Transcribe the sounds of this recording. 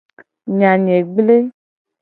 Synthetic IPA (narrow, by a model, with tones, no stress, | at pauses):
ɲã˨ɲẽ˨ɡ͡ble˦